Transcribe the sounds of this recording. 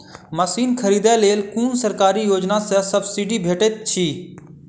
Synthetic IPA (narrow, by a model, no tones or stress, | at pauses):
məsiːnkʰəɾiːd̪ɛːleːlkuːnsəɾkaːɾiːjoːd͡ʒnasɛ̃ːsəbsiɖiːbʱeːʈeːt̪̚t͡ʃʰiː